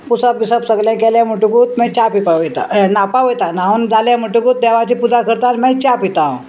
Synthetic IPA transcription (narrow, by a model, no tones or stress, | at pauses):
pusəpʋisəpsəɡljãkɛljam̤əʈukut̪mɛ̃t͡ɕapipaʋəjt̪a̰napaʋəjt̪anaund͡zaljãm̤əʈukuːt̪̚d̪ɛʋat͡ɕiːpud͡zakəɾt̪almɛ̃t͡ɕapit̪ã